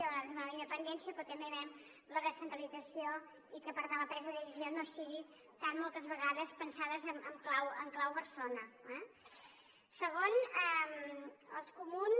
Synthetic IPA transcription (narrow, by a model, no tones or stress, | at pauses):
əɣaðzmaləind̪əpənd̪ɛnsiəpɾɔt̪əmbeβɛm | ləðəsənt̪ɾəlid͡zəsio | ikəpəɾt̪anləpɾɛzəðəʒizjonosiɣi | t̪amːɔlˠt̪əzβəɣaðəspənsaðəzəməmklawəŋklawβəɾsonəɛ | səɣ̞onəmə̰lˠskumun